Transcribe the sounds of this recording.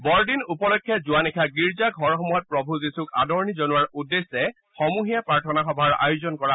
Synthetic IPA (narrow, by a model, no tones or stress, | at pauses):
bɔɹdinupɔlɔkʰːɛzʊanikʰaɡiɹzaɡʱɔɹxɔmɔjt̚pɹɔbʱuzisuka̰dɔɹnizɔnuaɹudːesːɛ | xɔmuɦijapɹaɹtʰɔnaxɔbʱaɹa̰jʊzɔnkɔɹa